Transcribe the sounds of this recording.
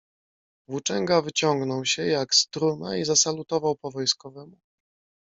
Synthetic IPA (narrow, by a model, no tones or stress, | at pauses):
vut͡ʂɛŋɡavɘt͡ɕɔŋɡnɔwɕɛjakst̪ɾuna̰izasalut̪ɔvawpɔvɔjskɔvɛmu